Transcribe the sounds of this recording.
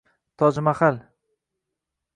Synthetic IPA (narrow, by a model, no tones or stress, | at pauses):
t̪ʰɒd͡ʒɪmaχal